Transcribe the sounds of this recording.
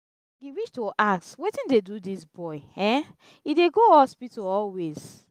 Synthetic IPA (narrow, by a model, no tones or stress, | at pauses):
ɡiwiʃtoʔakswetĩndedudisbɔɪɛ̃ | ideɡoɔspitoɔlwez̥